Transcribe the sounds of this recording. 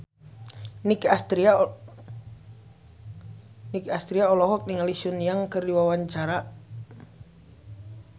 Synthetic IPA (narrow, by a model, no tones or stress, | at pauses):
nikast̪ɾia | nikast̪ɾiaɔlɔɦɔk̚niŋalisunijaŋkɨrdiwawaɲt͡ʃaɾa